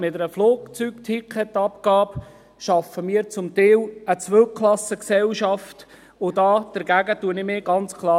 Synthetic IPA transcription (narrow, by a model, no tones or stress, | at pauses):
mɪtəɾəfloːkt͡sykt̪ʰikʰɛt̪ːɑpkɑːb | ʃɑfəmiːɾt͡sʊmt̪ɪːlət͡sʋølkχlɑsəksɛlʃɑft | ʊdɑːd̥əɾɡæɡətuənɪmɪːɡ̥ɑnt͡skʰlˠɑː